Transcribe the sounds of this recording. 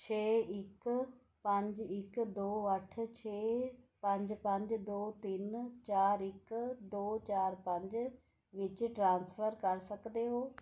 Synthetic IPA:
t͡ʃʰeːɪk | pə̃ɲd͡ʒɪkd̪oːəʈʰt͡ʃʰeːpə̃ɲd͡ʒpə̃ɲd͡ʒd̪oːt̪ɪnt͡ʃaːɾɪkd̪oːt͡ʃaːɾpə̃ɲd͡ʒ | ʋɪt͡ʃʈɾãːnspʰəɾkəɾsəkd̪eːɦoː

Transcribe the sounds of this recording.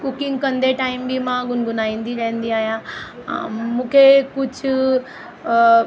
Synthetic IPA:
kʊkɪ̃ŋɡkɐ̃nd̪eʈaːɪmbimãɡʊnɡʊnaːĩːn̆d̪iɾɐɦə̃nd̪iaːɦijã̰ | mũːkʰekʊd͡ʑʱʊ

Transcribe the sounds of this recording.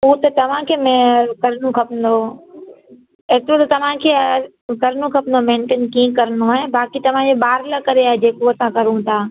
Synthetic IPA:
ut̪ɐt̪ɐʋ̤ãkʰeːmẽkɐɾnũkʰɐpənd̪o | eːt̪ɾot̪ɐt̪ɐʋ̤ãkʰeː | kɐɾnũkʰɐpnd̪omẽːɳʈeːnkĩẽkɐɾənoaːɦebaːkit̪ɐʋ̤ãd͡ʑeɓaːɾlakɐɾeaːɦɛd͡ʑeːkoɐsãkɐɾũt̪ʰaː

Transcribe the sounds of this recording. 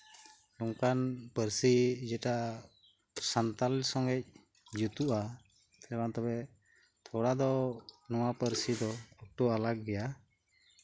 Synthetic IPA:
lɔŋkanpəɾsid͡ʒɛʈa | sant̪alsɔŋɛc̚ | d͡ʒut̪uʔa | t̪ʰɛlɛkant̪ɔbɛ | t̪ʰɔɽad̪ɔnɔwapəɾsid̪ɔɔk̚ʈɔalak̚ɡɛja

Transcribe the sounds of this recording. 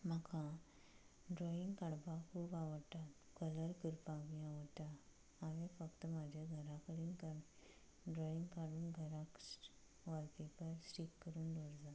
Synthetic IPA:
m̤əkʰã | ɖɾɔiŋɡkaɽbakʰuːpaʋəɽt̪at̪ | kələɾkəɾpaʋĩaʋəɽt̪a | aʋẽfəkt̪əmad͡ʑʱjaɡʱəɾakəɽiːnkə | ɖɾɔiŋɡkaɽuːnɡʱəɾãks | ʋaɾk̪ipəɾsʈikːəɾuːnɖoɽd͡za

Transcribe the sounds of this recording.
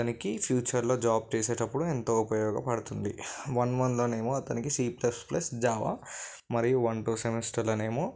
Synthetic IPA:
ɐɐnikipʰjuːt͡ʃɐɾlo̞ːd͡ʒaːb̚t͡ʃeːse̞ːʈɐpːuɽuent̪o̞ːupɐjɔːɡɐpɐɽut̪und̪iʋɐnʋɐnlo̞ːne̞ːmoːɐt̪ɐnikisiːplɐsplɐsd͡ʒaːʋa̰ | mɐɾijuʋɐɳʈuːsemesʈɐɾloːneːmoː

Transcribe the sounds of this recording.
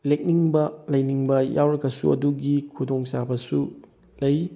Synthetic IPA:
lek̚niŋbɐlɐjniŋbɐja̰wɾɐɡɐsṵɐ̰duɡikʰudoŋsabɐsu | lɐj

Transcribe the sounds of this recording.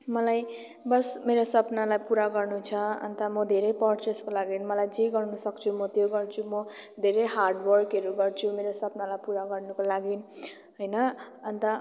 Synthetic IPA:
mʌlaj | bʌsmeɾosʌpnalajpuɾaɡʌrnut͡sʰʌʌ̰nt̪amʌd̪ʱeɾʌjpʌrt͡seskolaɡinmʌlajd͡ziɡʌrnusʌkt͡sʰumʌt̪joɡʌrt͡sʰumʌd̪ʱeɾejɦarɖwʌrkʌɾuɡʌrt͡sʰumeɾosʌpnalajpuɾaɡʌrnukolaɡin | ɦʌjnʌ | ʌnt̪ʌ

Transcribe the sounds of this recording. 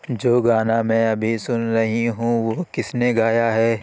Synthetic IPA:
d͡ʒoːɡaːnamɛ̃ɐbʱisʊnɾɐɦiɦũʋoːkɪsneɡaːjaɦɛː

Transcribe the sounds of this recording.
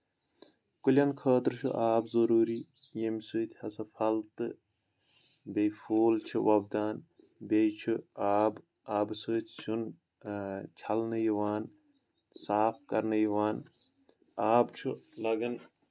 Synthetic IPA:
kulʲɐnkʰɐːt̪ɾt͡ʃʰṵʔaːbzɐɾuːɾi | jemsuːt̪ʰʲhɐsɐfʰɐlt̪ɨ | bejfoːlt͡ʃʰuʋɐbd̪aːn | bejt͡ʃʰuaːb | aːbsɨːt̪ʰʲsun | t͡ʃʰɐlnɨjiʋaːn | saːfkɐɾnɐjiʋaːn | aːbt͡ʃʰulɐɡɐn

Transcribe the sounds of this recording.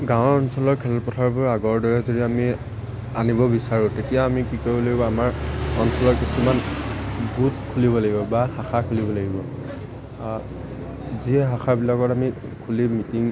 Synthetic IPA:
ɡãʊ̃ɔnsɔlɔɹkʰɛlɔtpɔtʰaɹpʊɹaɡɔɹdɔɹɛzodiami | anibɔbisaɹʊ̃tetijaːmikikoɹibɔlaɡibɔamaɹɔnsɔlɔɹkisuman | ɡut̚kʰulibɔlaɡibɔbahaxakʰulibɔlaɡibɔ | ziɛɦaxʰaɹbilakɔtamikʰulimitiŋ

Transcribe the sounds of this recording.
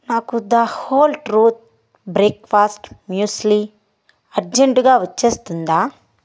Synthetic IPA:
naːkud̪ɐhoːlʈɾuːt̪̚ | bɾeːkfaːsʈmjuːsli | ɐɾd͡ʒeɳʈɡaːʋɐt͡ʃːeːst̪und̪aː

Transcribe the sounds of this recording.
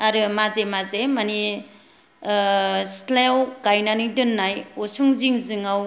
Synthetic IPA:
aɾɯmazemazemani | slewɡajnanɯdɯnːajosuŋziŋzɯŋaw

